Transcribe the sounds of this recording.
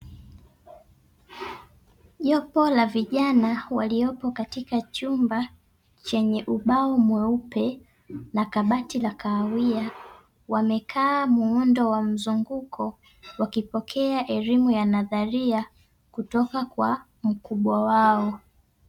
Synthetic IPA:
ʄɔpɔlaviʄanawaliɔpɔkatikat͡ʃumba | t͡ʃɛɲɛʔuɓaɔmwɛupɛ | nakaɓatilakaːwia | wamɛkʰaːmuɔndɔwam̩zuŋɡukʰɔ | wakipɔkʰɛaʔɛlimujanaðaɾia | kutɔkakwa | m̩kuɓwawaɔ

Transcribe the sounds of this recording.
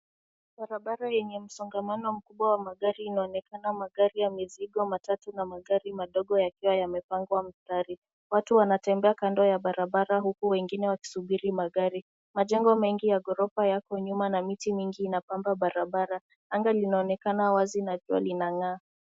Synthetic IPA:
ɓaɾaɓaɾajɛɲɛm̩sɔŋɡamanɔm̩kuɓwawamaɠaɾiːnaɔnɛkanamaɠaɾijamiziɠɔmatatunamaɠaɾimaɗɔɠɔjakiwajamɛpaŋɡwam̩staɾi | watuwanatɛmbɛakandɔjaɓaɾaɓaɾaɦukuwɛŋɡinɛwaki̥suɓiɾimaɠaɾi | maʄɛŋɡɔmɛŋɡijaɠɔɾɔpajakɔɲumanamitimiŋɡiːnapambaɓaɾaɓaɾa | aŋɡalinaɔnɛkanawazinaʄua̰linaŋaː

